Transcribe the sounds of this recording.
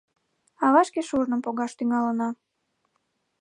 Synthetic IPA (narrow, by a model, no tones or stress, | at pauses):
ɑβɑʃkeʃuʒnəmpoɣɑʃt̪yŋɑlənɑ